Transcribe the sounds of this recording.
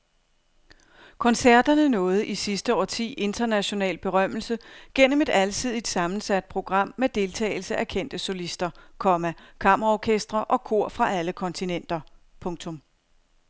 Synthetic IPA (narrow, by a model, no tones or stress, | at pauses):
kʰɒ̽nsæɐ̰d̥ɐnənɔ̽ːð̞̩ˠʔisisd̥əɒ̰ːt͡sʰḭːʔe̝nd̥ɐnæɕo̝nɛ̰ːlb̥e̝ʁɶm̰l̩səɡ̥en̰m̩e̝d̥ælsʰið̞̰ˠid̥sɑ̈mn̩sæd̥̚pʰʁo̝ɡ̥ʁɑ̈m̰ːed̥e̝lt͡sʰɛ̰ːɪlsəʔækʰen̰d̥əsolisd̥ɐkʰɒ̽mækʰɑ̈m̰ɐʁɑɒkʰesd̥ʁɐʔɒ̽kʰo̝ɐ̰fʁɑ̈ʔæləkʰɒ̽nt͡sʰinen̰d̥ɐpʰɔ̽ŋt͡sʰɔ̽m